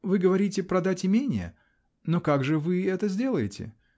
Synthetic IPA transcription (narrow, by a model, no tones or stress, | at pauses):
vɨɡəvɐɾʲitʲɪpɾɐd̪atʲɪmʲenʲɪjə̰ | nokaɡʐɨvɨɛt̪əzʲdʲe̞lˠəjɪtʲɪ̰